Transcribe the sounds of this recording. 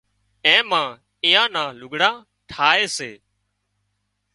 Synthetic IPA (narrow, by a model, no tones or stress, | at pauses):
ẽːmãː | ɪ̃ːjãːnãːlʊɡɽãː | ʈʰaːeːseː